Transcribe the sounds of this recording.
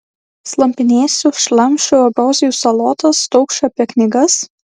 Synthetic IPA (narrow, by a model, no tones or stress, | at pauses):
slˠɐmʲpʲɪnʲeːsʲʊʃlˠɐmʲˑʃʲʊɐbɾoːzʲɪjusɐlˠɔːt̪ɐst̪ɔʊkʃɐɐpʲiɛknʲɪɡɐs